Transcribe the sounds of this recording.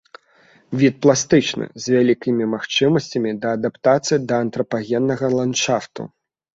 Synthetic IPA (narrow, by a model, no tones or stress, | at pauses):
vʲit̪̚plˠast̪ɨt͡ʂnɨ̰zʲvʲalʲikʲimʲimaxt͡ʂɨmɐsʲt͡sʲɐmʲid̪ɐːd̪apt̪at̪sɨjid̪ɐːnt̪ɾɐpaɣʲɛnːɐɣɐlˠanʂaft̪ṵ